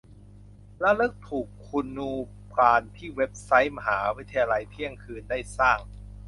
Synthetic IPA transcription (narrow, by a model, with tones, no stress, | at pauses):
lɛ˦˥lɯː˦˥˩k̚t̪ʰuː˨˩kʰːu˧nːuː˧ | pʰaː˧nt̪ʰiː˥˩we˦˥p̚sa˦˥jma˧ɦaː˩˦wi˦˥t̪ʰa˧jaː˧la˧jt̪ʰi˥˩əŋkʰɯː˧ndaː˥˩jsaː˥˩ŋ